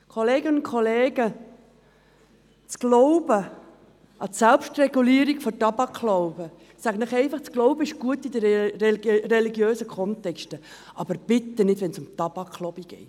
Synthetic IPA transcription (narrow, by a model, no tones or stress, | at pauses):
kʰoleːɡənʊn̚kʰoleːɡ̥ə | t͡sɡ̥lɔʊb̥ə | ʔɑtsɛlpʃtrɛɡuliəɾiɡ̥fɔtɑb̥ɑkʰloʊb̥ə | sæɡənəχɛɪfɑχt͡sklɔʊbəɪʃɡ̥uət̪id̪ə | rɛliɡjøːsəkχɔnt̪ɛkʃtə | ʔɑb̥əɾb̥ɪt̪ːənɪdʋɛnsʊmt̪ɑbɑkʰlobiɡ̥ɛ̰ɪt